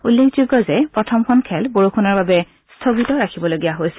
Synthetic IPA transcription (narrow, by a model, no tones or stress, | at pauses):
ulːekʰzuɡɔzɛpɹɔtʰɔmxʰɔnkʰɛlboɹukʰunɔɹbabɛ | stʰoɡitɔɹakʰibɔloɡijaɦojsɛ̥